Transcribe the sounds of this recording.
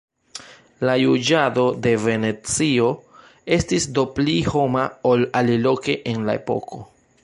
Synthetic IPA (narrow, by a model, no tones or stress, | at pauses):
lajud͡ʒado̞de̞ve̞ne̞t͡sio̞ | e̞stisdo̞pliho̞maolalilo̞ke̞ʔenlae̞̰po̞̰kʰo̞